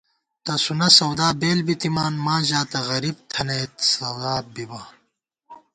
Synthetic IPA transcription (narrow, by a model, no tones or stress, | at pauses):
t̪ɐsunɐsɐwd̪aːbeːlbit̪imaːnmaːʑaːt̪ɐɣɐɾiːb̚t̪ʰɐnet̪sɐwd̪aːbibɐ